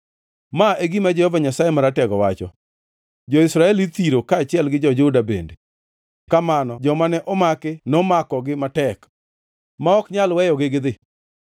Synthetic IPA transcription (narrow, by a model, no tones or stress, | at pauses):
maʔeɡimad͡ʒɛhɔvaɲasajemaɾatɛɡɔwat͡ʃɔ̰ | d͡ʒɔɪsɾaɛlit̪iɾokaːt͡ʃɪɛlɡɪd͡ʒɔd͡ʒʊdabḛnde | kamanɔd͡ʒɔmanɛʔɔmakɪnɔmakɔɡɪmatɛk | maɔkɲalwɛjɔɡɪɡd̪ɪ